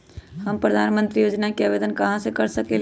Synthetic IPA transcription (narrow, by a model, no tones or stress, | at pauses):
ɦəmpɾəd̪ʱanmənt̪ɾijod͡ʒnakeabed̪ənkəɦãsẽkəɾsəkel